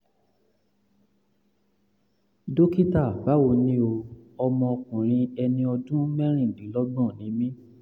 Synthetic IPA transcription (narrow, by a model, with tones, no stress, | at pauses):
do˦ki˦ta˦˨ɡ͡ba˨˦wo˧nĩ˦o˧ɔ˧mɔ̃˧ɔ˧kũ˨ɾ̃ĩ˧ɛ˧nĩ˧ɔ˧dũ˦mɛ̃˦ɾ̃ĩ˦˨dĩ˨˦lɔ˦ɡ͡bɔ̃˦˨nĩ˨˦mĩ˦